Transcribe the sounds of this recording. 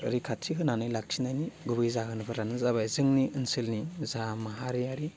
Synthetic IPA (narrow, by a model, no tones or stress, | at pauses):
ɯɾikʰatʰikɯnanɯjlak̚sinajniɡubɯjzaɦɯnɯbʰɯɾanɯzabajzɯŋniʔɯnsilnizamaɦaɾijaɾi